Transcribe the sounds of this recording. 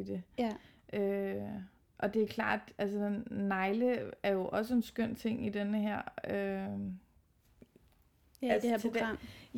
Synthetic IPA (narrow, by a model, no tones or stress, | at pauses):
d̥e̝ | ʔø | ʔɒ̽d̥e̝æɐkʰlɑ̰̈ːd̥ælsə̥nɑ̈ɪləæɐjo̝ʔɒ̽s̬əe̝nsɡ̥øn̰t͡sʰe̝ŋ̰id̥enəɦæɐ̰ø | æsʰoɡ̥ɑm̰